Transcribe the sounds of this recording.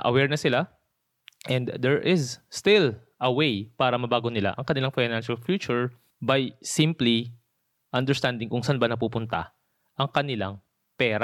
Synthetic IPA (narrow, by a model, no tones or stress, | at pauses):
ʔɐ̰wɛɹnɐsɪla | ʔɛnd̪d̪ɛɹʔɪzst̪ɪlʔɐwejpaːɾɐmɐbaːɡonɪla̰ʔɐŋkɐnɪlaŋfajnanʃɐlfjuːt͡ʃʊɹ | bɐjsĩmpli | ʔɐnd̪ɛɹst̪and̪ɪŋkʊŋsɐnbɐnɐp̬uːpʊnt̪ɐ̰ | ʔɐŋkɐnɪlaŋ | pɛːɾa